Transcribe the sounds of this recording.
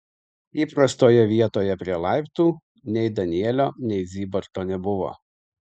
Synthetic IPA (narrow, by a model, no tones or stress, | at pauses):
iːpɾɐst̪oːjɛʋʲiɛt̪oːjɛpʲɾʲiɛlˠɑɪpt̪uː | nʲɛɪd̪ɐnʲɪɛlʲoːnʲɛɪzʲiːbɐɾt̪oːnʲɛbʊʋo̰ː